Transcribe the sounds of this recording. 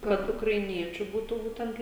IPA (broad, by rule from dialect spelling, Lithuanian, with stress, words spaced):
ˈkɐt ʊkrɐɪˈnʲiɛt͡ʃʲuː ˈbuːtʊ ˈbuːtʲɛnt